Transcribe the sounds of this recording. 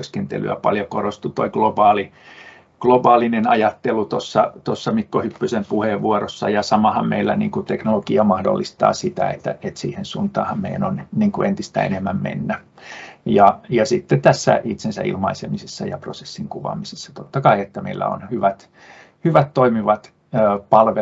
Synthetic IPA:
øskent̪ḛly̰æpɑ̰ljokorost̪ut̪o̰iɡ̥lobɑːli | ɡ̥lobɑːlinenɑjɑt̪ːelut̪osːɑt̪osːɑmikːohypːysempuheʋʋuorosːɑ̰jɑsɑmɑhɑmmḛilːænḭːŋkut̪eknolokiɑmɑhdo̰lːist̪ɑ̰ːsit̪æ̰ḛt̪ːæ̰et̪siːhensuːnt̪ɑːhɑmmeijænonniːŋkuent̪ist̪æ̰ḛnemːæmmḛnːæ | jɑjɑsit̪ːet̪æsːæ̰ʔit̪sensæ̰ʔḭlmɑisemisesːɑjɑ̰prose̥sːiŋkuʋɑ̰misesːɑ̥t̪ot̪ːɑkɑiet̪ːæmḛilːæ̰o̰nhyʋæt̪ | hyʋæt̪toimiʋɑt̪ː | pɑlʋe

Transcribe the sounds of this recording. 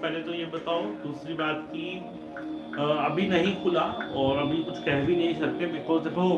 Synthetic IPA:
pɛɦlet̪ojebɐt̪aːod̪uːsɾibaːt̪ki | ɐbʱinɐɦĩkʰʊlaɔːɾɐbʱĩkʊt͡ʃʰkɛɦbinɐɦĩʃɐɾt̪ẽbɪkɔːzepo

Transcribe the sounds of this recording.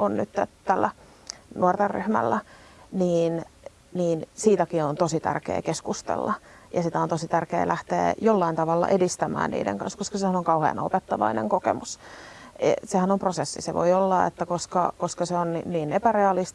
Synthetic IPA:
onny̰t̪t̪æt̪ælːæ | nuort̪erry̰hmælːæniːn | niːnsiːt̪ækiont̪osit̪æ̰rkḛːkeskust̪ḛlːɑ | jɑsit̪æont̪osit̪ærkḛːlʔæht̪ḛːjolːɑint̪ɑʋɑlːɑ̰ʔedist̪æmæ̰ːnnḭːdḛŋkɑ̰nskoskɑsehænoŋkɑuhḛːnɑopet̪ːɑʋɑ̰inḛŋkokḛmus | esehænomprosesːiseʋo̰iolːɑḛt̪ːækoskɑ̰koskɑseonniniːnepæreɑlist̪

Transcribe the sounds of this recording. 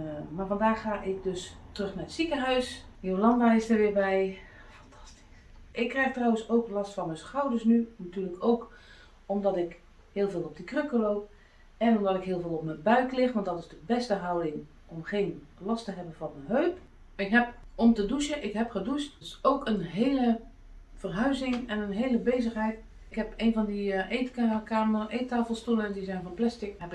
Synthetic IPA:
maːvɑndaːxaːʔɪkdøstrøxnarətsikəɦœɥs | jolɑmbaɪstərʋɪbɛj | fɑntʰɑ̥sti̥s | ʔɪkːrɛjxtrɔwənsoːklɑstfɑnmɛsxawdəɹsnynatyːrləkoːk | ɔmdɔtɪk | hɪːlˠveːlˠɔp̚dəkrøkəloːp̚ | ɛnɔmdɔtɪkɦɪːlˠvɪːlˠɔp̚məbœɥklɪxʋɑntdɔtɪzdəbɛstəɦawdɪŋ | ɔmχeːnlɑstəɦɛbənvɔnənɦøːp | ɪkɦɛp̚ɔmtədusəʔɪkɦɛpχədusttɪsoːkənɦeːlə | v̥ərɦœɥzɪŋɛnənɦeːləbeːzəχɦɛjt | ɪkɦɛpeːnvɑndiʔeːtkakaːmʔeːtaːfəlˠstuləndizɛjnvɔnplɛstɪkhɛpɪ

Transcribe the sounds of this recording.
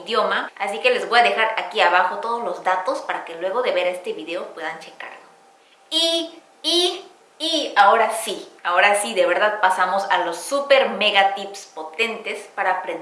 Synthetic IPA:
ðjo̞maasike̞le̞zβo̞jaðe̞xaɾakiaβaxo̞t̪o̞ð̞o̞zlo̞zðat̪o̞spaɾake̞lwe̞ɣo̞ðe̞βe̞ɾae̞st̪e̞βiðe̞o̞pwe̞ðant͡ʃe̞ka̰ɾlo | iː | ao̞ɾasiao̞ɾasiðe̞βe̞ɾðaðpasamo̞salo̞sːupe̞ɾmeɣat̪ipspo̞t̪e̞nt̪e̞spaɾaːpɾen

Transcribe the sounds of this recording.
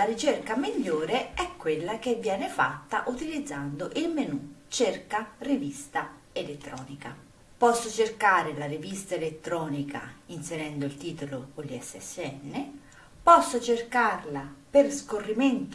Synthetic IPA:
laɾit͡ʃerkamiʎːoːɾeɛkːwelːakevːjɛːnɪfa̰t̪ːa̰ʔut̪ilid̪zːand̪oʔilmenut͡ʃerkarivist̪a | elet̪ːɾɔ̰ːnika | pɔsːot͡ʃerkaːɾɪlarivist̪aelet̪ːɾɔːnika̰inseɾɛnd̪oilt̪iːt̪olokolːiɛsːɛ̰sːeɛnːe | pɔsːot͡ʃerkarlaperskorːiment̪

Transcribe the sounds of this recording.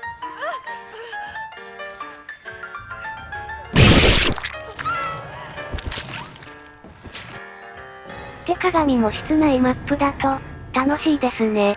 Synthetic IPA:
t̪e̞kaɡaɲ̟imo̞ɕi̥t͡sɨnaimapːɯ̟d̪at̪o̞t̪ano̞ɕiːd̪e̞sɨne̞

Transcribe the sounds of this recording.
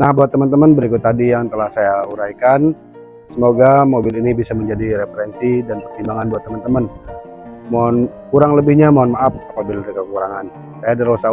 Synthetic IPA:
nahbaat̪ːəmənt̪əmənbəɾikʊt̪ːadijaŋt̪əlahsajauɾaikan | səmoɡamobɪlinibisaməɲd͡ʒadiɾefəɾɛnsidanpərt̪imbaŋanbuat̪ːəmənt̪əmən | moankuɾaŋləbɪhɲamoanmaʔafapabɪldəkəkuɾaŋan | sajadərosa

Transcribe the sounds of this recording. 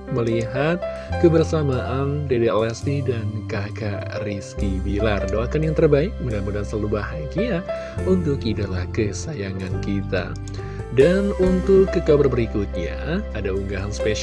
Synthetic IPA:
məliɦat̪̚ | kəbərsamaʔandedelɛst̪idankakariskibilardoakanjaŋt̪ərbaɪk̚məŋɡambulansalubaɦaɡia | unt̪ʊkidalahkəsajaŋankit̪a̰ | danunt̪ʊlkəkabərbəɾikut̪̚ɲa̰ː | dauŋɡaɦanspeʃ

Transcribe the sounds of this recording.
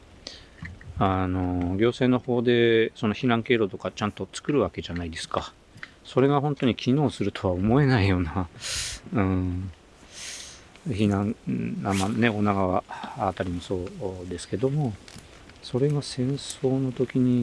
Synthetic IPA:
ano̞ɡʲo̞ːse̞ːno̞ho̞ːd̪e̞so̞no̞çiɾãŋke̞ːɾo̞t̪o̞kat͡ɕãnt̪o̞t͡sɨ̥kɯ̟ɾɯ̟βake̞ʑanaid̪e̞sɨ̥ka | so̞ɾe̞ɡaɦõ̞nt̪o̞ɲ̟ikʲʰino̞ːsɨɾɯ̟t̪ʰo̞βao̞mo̞e̞naijo̞ːna | ɯ̃ | çinãŋamane̞o̞naɡaβaat̪aɾʲimoso̞ːd̪e̞sɨ̥ke̞d̪o̞mo̞ | so̞ɾe̞ɡasẽ̞ɰ̃so̞ːno̞t̪o̞kʲiɲ̟i

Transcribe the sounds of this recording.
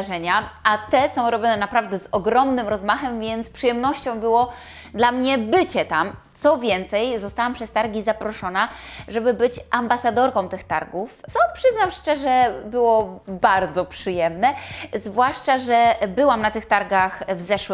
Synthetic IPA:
ʐɛɲaat̪ɛsɔ̃w̃ɾɔbʲjɔnɛnapɾavd̪ɛzɔɡɾɔmnɘmɾɔzmaxɛmvʲjɛnt̪spʂɨjɛmnɔɕt͡ɕɔ̃w̃bɘwɔ | d̪lamɲɛbɘt͡ɕɛt̪amt̪sɔvʲjɛnt̪sɛjzɔst̪awampʂɛst̪aɾɡʲizapɾɔʂɔnaʐɛbɘbɘt͡ɕʔambasad̪ɔɾkɔ̃w̃t̪ɘxt̪aɾɡuft̪sɔpʂɘznawʂt͡ʂɛʐɛbɘwɔbaɾd̪zɔpʂɘjɛmnɛzvwaʂt͡ʂaʐɛbɘwamnat̪ɘxt̪aɾɡaxvzɛʂw

